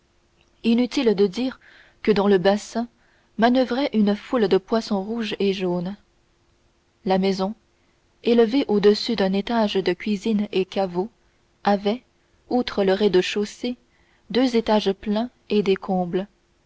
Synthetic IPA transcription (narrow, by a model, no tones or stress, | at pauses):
inyt̪ild̪əd̪iːʁ | kəd̪ɑ̃ləbasɛ̃ | manœvʁɛʔynəfuld̪əpwasɔ̃ʁuʒeʒon | lamɛzɔ̃ | eləveʔod̪əsyd̪ɛ̃net̪aʒd̪əkʲɥizinekavo | avɛ | ut̪χələʁɛd̪əʃose | d̪øzet̪aʒplɛ̃ | ed̪ekʰɔ̃ːbl